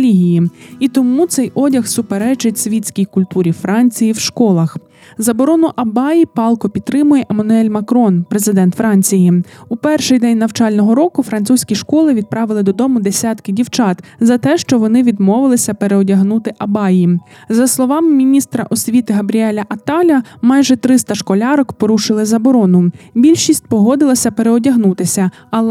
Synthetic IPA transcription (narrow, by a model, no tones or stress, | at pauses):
lʲiɦʲijiit̪ɔmut̪sɛjʔɔdʲɐxsʊpeɾɛt͡ʃɪtʲsʲʋʲitʲt͡sʲkʲijkʊlʲt̪uɾʲifɾɑnʲt͡sʲijiwʃkɔlˠɐx | zɐbɔɾɔnʊʔɐbɑjipɑlˠkɔpʲid̪t̪ːɾɪmʊjɛʔemɐnʊɛlʲmɐkɾɔnpɾe̞zɪd̪ɛnt̪fɾɑnʲt͡sʲijiupɛrʃɪjd̪ɛnʲnɐwt͡ʃɑlʲnɔɦɔɾɔkʊfɾɐnt̪susʲkʲiʃkɔlˠɪʋʲid̪̚pɾɑʋɪlˠɪd̪ɔd̪ɔmʊd̪e̞sʲɑt̪kɪdʲiwt͡ʃɑt̪zɐt̪ɛʃt͡ʃɔʋɔnɪʋʲid̪mɔʋɪlˠɪsʲɐpeɾeɔdʲɐɦnut̪ɪʔɐbɑjizɐslˠɔʋɑmɪmʲinʲist̪ɾɐʔɔsʲʋʲit̪ɪɦɐbɾʲiɛlʲɐʔɐt̪ɑlʲɐmɑjʒɛt̪ɾɪst̪ɐʃkɔlʲɑɾɔkpɔɾuʃɪlˠɪzɐbɔɾɔnʊbʲilʲʃisʲt̚ʲpɔɦɔd̪ɪlˠɐsʲɐpeɾeɔdʲɐɦnut̪ɪsʲɐ | ɐl